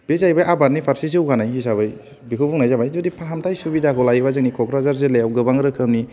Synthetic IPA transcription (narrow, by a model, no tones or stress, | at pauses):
b̥ezajbajʔabaɾnipʰaɾsizɯwɡanajis̬abɯj | bikʰɯbuŋnajzabajzudipʰaɦamtʰajsubidakʰɔlajbazɯŋnikʰɔkɾazaɾzelejawɡɯbaŋɾɯkʰɯmni